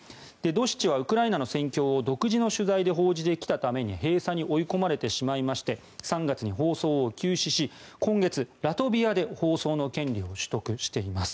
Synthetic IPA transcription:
d̪̥e̞d̪o̞ɕi̥t͡ɕiβ̞aɯ̟kɯ̟ɾainano̞sẽ̞ŋkʲo̞ːd̪o̞kɯ̟ʑino̞ɕɨzaid̪e̞ɦo̞ːʑid̪e̞kʲi̥t̪at̪ame̞ɲ̟iɦe̞ːsaɲ̟iʔo̞iko̞maɾe̞t̪e̞ɕimaimaɕi̥t̪e̞ | sãŋɡat͡sɨɲ̟iɦo̞ːso̞ːkʲɨːɕiɕi | kõ̞ŋɡe̞t͡sɨɾat̪o̞bʲiad̪e̞ho̞ːso̞ːno̞kẽ̞nɾʲio̞ɕɨ̥t̪o̞kɯ̟ɕi̥t̪e̞imasɨ̥

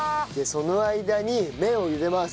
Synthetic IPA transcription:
d̪eso̞noaid̪aɲ̟imẽ̞o̞jɯbe̞mas

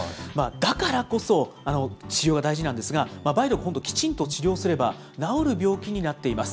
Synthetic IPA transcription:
mad̪akaɾako̞so̞ano̞t͡ɕiɾʲjo̞ːɡad̪aiʑinãnd̪esɨɡamabaiɾokɯɦond̪okʲi̥t͡ɕĩnt̪o̞t͡ɕiɾʲjo̞ːsɨɾe̞ba | nao̞ɾɯ̟bʲjo̞ːkʲiɲ̟inat̪ːe̞imasɨ̥

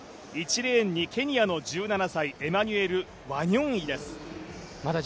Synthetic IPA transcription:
it͡ɕiɾẽːɲ̟ːikʲʰe̞ɲ̟ijano̞d͡ʑɨːnanasaiʔe̞maɲ̟ɯe̞ɾɯ̟ | βaɲʲõɰ̃id̪esɨ̥ | mad̪a

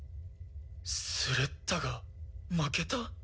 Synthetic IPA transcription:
sɯɾet̪ːaɡamaket̪a

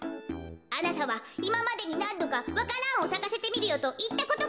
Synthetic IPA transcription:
anat̪aβaimamad̪e̞ɲ̟inãnd̪o̞kaβakaɾãɰ̃o̞sakase̞t̪e̞mʲiɾɯ̟jo̞t̪o̞ʔit̪ːako̞t̪o

